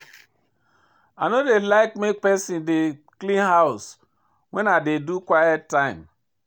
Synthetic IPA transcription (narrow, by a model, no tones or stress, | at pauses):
anodelaɪkmek̚pɛsĩndeklĩnhaʊs | wɛ̃nadedukwajɛttːãɪ̃m